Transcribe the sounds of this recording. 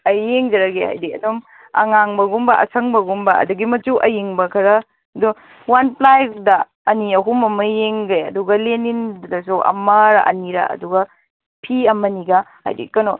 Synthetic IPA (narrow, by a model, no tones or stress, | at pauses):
ɐjeŋd͡ʒɐɾɐɡeha̰jdiɐ̰dum | ɐ̰ŋaŋbɐɡumbɐʔɐ̰sʰɐŋbɐɡumbɐɐ̰duɡimɐt͡ʃuʔɐjiŋbɐkʰɐɾɐ | ɐdu | wanplajk̚dɐ | ɐniɐɦumɐmɐjeŋɡɐjɐduɡɐlenindɐsuʔɐ̰mɐɾa̰ʔɐ̰niɾɐ̰ɐ̰duɡɐ | pʰiɐmɐniɡɐha̰jdḭkɐno